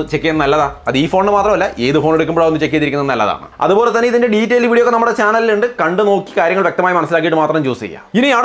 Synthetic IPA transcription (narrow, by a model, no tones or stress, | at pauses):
t͡ɕekːijennɐlːɐðaːɐðiːfo̞ːɳnɨmaːt̪rɐmɐlːɐʔe̞ːðɨfo̞ːneɽuk̬ʲːumbooenːɨt͡ɕe̞kːijɐðikʲːunɐðɨnɐlːɐ̰ða̰ːɳɨ̰ɐ̰ðubo̞ːle̞t̪ːɐnːeiðindeɖiːtːelʋiːɽijokːenɐmːuɽe̞t͡ɕaːnɐliluɳɖɨkɐɳɖɨno̞ːkːi̥kaːɾjɐŋːɐɭʋjekt̪ɐmaːjɐmɐnɐsːilaːk̬ːijiʈːɨmaːt̪rɐmt͡ɕoːst͡ɕḛjːa̰ːinɨjaː